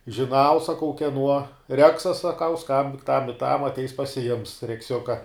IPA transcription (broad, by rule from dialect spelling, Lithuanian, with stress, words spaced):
ʒʲɪˈnɐʊ sɐˈkɐʊ kʲɛˈnuɔ ˈrʲæːksɐs sɐˈkɐʊ ˈskɐmʲbʲɪŋk tɐm ɪ tɐm ɐtʲˈɛɪs pɐsʲɪˈjɪms rʲɛkˈsʲʊkɐ